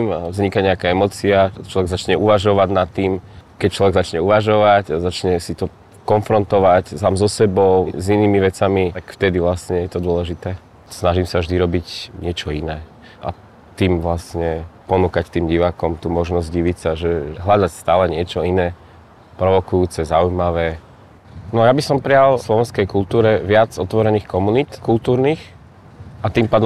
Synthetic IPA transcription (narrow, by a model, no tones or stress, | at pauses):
mvzɲikaɲɛakaɛmɔːt͡siat͡ʃlɔʋɛɡzat͡ʃɲɛuʋaʒɔʋaɟnat̪ːiːmkɛc̚t͡ʃlɔʋɛɡzat͡ʃɲɛuʋaʒɔʋacazat͡ʃɲɛsit̪ɔ | kɔnfɾɔnt̪ɔʋacsamzɔsɛbɔʊziniːmiʋɛt͡samit̪akft̪ɛd̪iʋlasɲɛjɛt̪ɔd̪ʊɔlɛʒit̪ɛː | snaʒimsavʒd̪iɾɔbicɲɪɛt͡ʃɔinɛː | ʔa̰ | t̪iːmʋlasɲɛpɔnuːkact̪iːmɟiʋaːkɔmt̪uːmɔʒnɔzɟɟiʋicsaʒɛɦlad̪acst̪aːlɛɲɪɛt͡ʃɔinɛː | pɾɔʋɔkujuːt͡sɛzaujmaʋɛː | nɔjabisɔmpɾɛjalslɔʋɛnskɛjkult̪uːɾɛʋɪad͡zɔt̪ʋɔɾɛniːxkɔmunit̪kult̪uːɾnix | at̪iːmpaːd̪ɔ